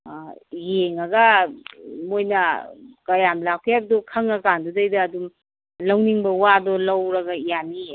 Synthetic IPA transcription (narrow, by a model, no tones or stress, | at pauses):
jeŋɐɡɐ | mojnɐkɐjamlakʰjabɐdɔkʰɐŋakandudɐjdɐːdum | lɐwniŋbɐwadɔlɐwɾɐɡɐijani